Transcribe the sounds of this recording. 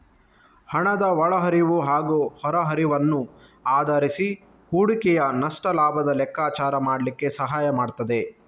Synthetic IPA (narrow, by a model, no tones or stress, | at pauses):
hɐɳɐd̪ɐʋɐɭɐɦɐɾiʋuɦaːɡuːhɔɾɐɦɐɾiʋɐnːu | aːd̪ʱɐɾisi | huːɽikɛjɐnɐʂʈɐlaːbʱɐd̪ɐlɛkːaːt͡ʃaːɾɐmaːɽlikːe̞sɐɦaːjɐmaːɖt̪ɐd̪e̞